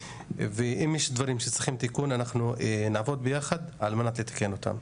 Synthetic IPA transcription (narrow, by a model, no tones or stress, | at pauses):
veʔimjɛʃd̪vaʁimʃet͡sʁiχimt̪ikunanaχnuenaːvo̞d̪̚bejaχad̪almenat̪le̞t̪ḁkeno̞t̪a̰m